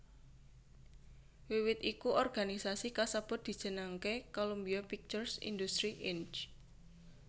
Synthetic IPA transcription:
wiwɪt̪ikuʔɔrɡ̥anisasikasəb̥ʊ̤t̪̚d̪̥i̤d̥ʒ̥ə̤naŋkekolombiɔpik̚t͡ʃʊrsḭnd̪ust̪ɾiʔɪnt͡ʃ

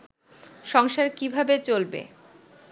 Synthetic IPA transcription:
ʃɔŋʃaɾkibʱabet͡ɕolbḛ

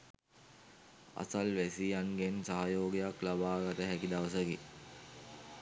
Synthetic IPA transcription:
a̰salʋæsijaŋɡensaɦajoːɡijaklabaːɡat̪əɦækid̪aʋəsəke

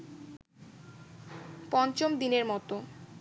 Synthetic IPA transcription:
pɔnt͡ɕomd̪ineɾmɔt̪o

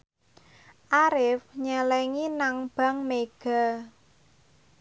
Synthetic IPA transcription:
ʔaɾɪfɲəlɛŋinaŋb̥a̤ŋmeɡ̥a̤

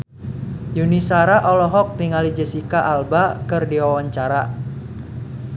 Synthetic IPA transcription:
junisaɾaʔɔlɔɦɔk̚niŋalid͡ʒəsikaʔalbakɨrdiwawaɲt͡ʃaɾa

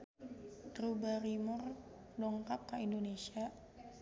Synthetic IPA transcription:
ɡɾubaɾimʊr | dɔŋkap̚kaindonesia

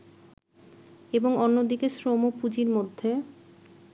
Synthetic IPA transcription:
eboŋonːod̪ikesɾomopud͡ʑiɾmod̪ʱːe

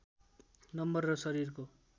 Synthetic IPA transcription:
nʌmbʌrːʌsʌɾirko

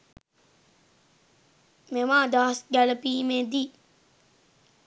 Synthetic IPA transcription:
memaːd̪aːsɡæləpiːmed̪i

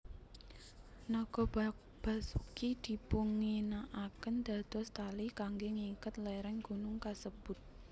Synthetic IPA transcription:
nɔɡ̥ɔ̤ | b̥asukid̪̥i̤puŋinaʔakənd̪̥a̤d̪̥ɔ̤st̪alikaŋɡeŋikət̪̚lɛɾɛŋɡ̥unʊŋkasəb̥ʊt̪̚

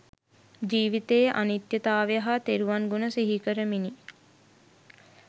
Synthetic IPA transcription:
d͡ʒiːʋit̪eːʔa̰nit̪jət̪aːʋejəɦat̪eɾuʋaŋɡunəsiɦikəɾəmini

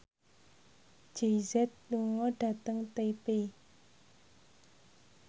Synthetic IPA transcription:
d͡ʒ̥eizɛt̪̚luŋɔɖ̥a̤t̪əŋt̪epe

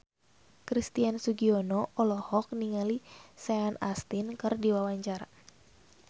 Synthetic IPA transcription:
kɾist̪iansuɡiɔnɔʔɔlɔhɔk̚niŋalisɛanast̪inkɨrdiwawaɲt͡ʃaɾa̰

